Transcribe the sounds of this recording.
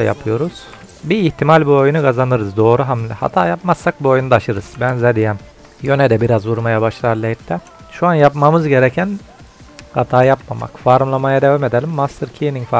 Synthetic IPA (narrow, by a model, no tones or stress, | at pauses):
ja̰pʰɯjo̞ɾuz̥ | biːçt̪ʰimalʲbuo̞junukʰazanɯɾɯzd̪o̞ːɾuɦamlʲɛha̰t̪ʰaːjapmasːak̚buojund̪aʃɯɾɯz̥bænzɛd̪ijɛm | jø̞nɛd̪ɛbiɾazvuɾmajabaʃlˠaɾlʲˠejt̪lɛ | ʃuanjapmamɯzɟe̞ɾɛcʰæn | hat̪ʰaːjapmama̰kfaɾmlˠamajad̪evame̞d̪elʲimːast̪ʰɯɾcʰiniŋfa